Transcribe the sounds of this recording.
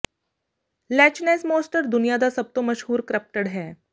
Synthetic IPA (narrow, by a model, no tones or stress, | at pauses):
læt͡ɕnɛsmosʈəɾd̪unijad̪asəb̚t̪oməʃɦuːɾkɾəp̚ʈəɽɦɛ